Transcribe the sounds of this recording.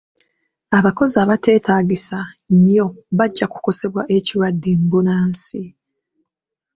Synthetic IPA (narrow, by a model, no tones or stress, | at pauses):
aβako̞ziaːβate̞ːtaːɟisaɲjo̞βaɟːaku̥ko̞se̞βwaʔe̞ciɾwadːimbunaːnsi